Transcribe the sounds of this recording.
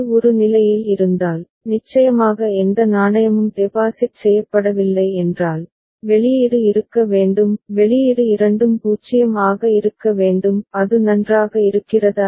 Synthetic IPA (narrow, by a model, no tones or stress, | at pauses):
ɔɾɯnɪlɐjɪlɪɾɯnd̪aːl | nɪt͡ʃːɐjɐmaːɣɐɛnd̪ɐnaːnɐjɐmɯmt̪ɛbaːsɐt͡ʃsɛjːɐpːɐɽɐʋɪlːɐɪɛndraːl | ʋɛɭɪjɪɾɯɪɾɯkːɐʋeːɳɖɯmʋɛɭɪjɪɾɯɪɾɐɳɖɯmpuːt͡ʃːɪjɐmaːɣɐɪɾɯkːɐʋeːɳɖɯmɐðɯnɐndraːɣɐɪɾɯkːɪrɐða